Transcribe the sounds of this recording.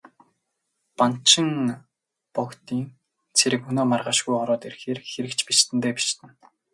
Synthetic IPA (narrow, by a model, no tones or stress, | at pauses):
pan̥t͡ɕɪ̆ŋ | pɔkt̪iːŋ | t͡sʰeɾɘ̆kɵnoːmarʁaːʃɡujɔɾɔːt̪eɾxeːrxeɾɘ̆kt͡ɕpit͡ɕt̪ʰɘ̆nt̪eːpi̥t͡ɕt̪ɘ̆n